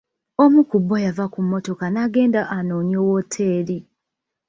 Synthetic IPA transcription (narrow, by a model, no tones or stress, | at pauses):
o̞mukubːojavakumːo̞to̞kanaɡe̞ːndaʔanoːɲoːwotʰeːɾi